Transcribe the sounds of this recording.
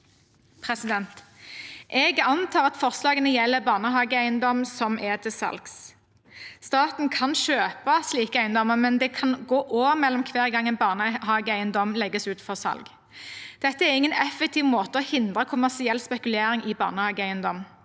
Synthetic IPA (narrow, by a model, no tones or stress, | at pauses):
pʰʁɛsɪd̪ɛnt̪ | ʔɛɡɑnt̪ʰɑːʁɑt̪fɔʁslɑːɡənəjɛlːəbɑːʁnəɦɑːɡəæɪənd̪ɔmsɔmʔɛd̪ɪsɑ̰lks | st̪ɑːt̪n̩kʰɑnʃøːpɑsliːkəæɪənd̪ɔmːəʁmɛnd̪ɛkʰɑnɡoːʔoːʋəmɛlːɔmkʰʋeːʁɡɑŋːənbɑːʁnəhɑːɡəæɪənd̪ɔmlɛɡːəsʉːt̪fɔʁsɑ̰lɡ | d̪̥ɛt̪ːəɛʁɪŋːənɛfːɛk̚t̪ʰɪːʋmoːt̪əɔhɪnd̪ʁəkʰʊmæʁsɪɛlspɛkʉleːɾɪŋɪbɑ̰ːʁnəhɑːɡəæɪənd̪ɔm